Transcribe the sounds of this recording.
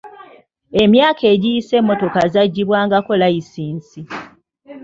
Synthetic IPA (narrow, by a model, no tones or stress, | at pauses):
e̞mjaːkʰe̞ːɟijise̞mːo̞to̞kazaɟːiβwaːŋɡako̞laisiːnsi